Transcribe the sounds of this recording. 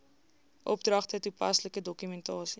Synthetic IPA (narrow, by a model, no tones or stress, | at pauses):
ʔɔb̚drɐχtətupɐsləkədɔkymɛntɑːsi